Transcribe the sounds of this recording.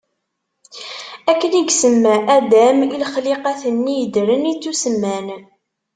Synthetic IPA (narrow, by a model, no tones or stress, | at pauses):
ækːəniɡsəmːæʔæd̪æmilχliqæθənːijəd̪ɾənit͡sːusəmːæn